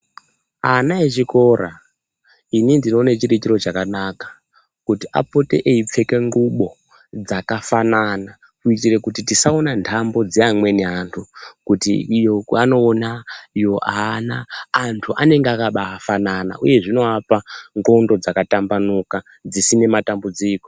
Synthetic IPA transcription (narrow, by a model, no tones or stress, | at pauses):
anaeʐiko̞ra̰ | inindino̞ːnet͡ʃirit͡ʃiɾo̞t͡ʃakanakḁ | kutiʔa̰po̞te̞̰ʔeip͡fe̞ke̞ŋɡuɓo̞ | d͡zakafanana | kuitire̞kutitisaonantʰambo̞d͡zeamwe̞neɦantʰukutḭːjo̞kano̞ːnaijo̞ʔaːnaːntʰuʔane̞ŋɡeakaɓaːfanana̰ʔṵje̞ʐino̞apaŋɡo̞ndo̞d͡zakatambanuka | d͡zisine̞matambud͡ziːko̞